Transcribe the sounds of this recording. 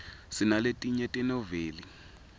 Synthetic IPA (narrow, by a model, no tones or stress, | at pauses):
sinaletʼiɲɛtʼɛnɔveːli